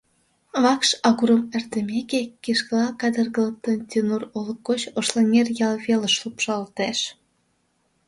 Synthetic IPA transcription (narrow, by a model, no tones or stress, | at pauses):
βɑkʃɑɣuɾəmert̪əmekekiʃkəlɑkɑd̪ərɣələk̚t̪ənt̪ʲinuroləkːot͡ɕoʃlenʲerjɑlβeləʃlupʃɑlt̪eʃ